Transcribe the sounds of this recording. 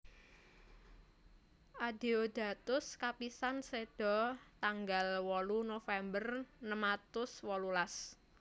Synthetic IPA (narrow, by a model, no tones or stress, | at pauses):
ʔad̥eod̥a̤t̪ʊskapisansed̥ɔ̤t̪aŋɡalwɔlunofɛmbərnəmat̪ʊswɔlulas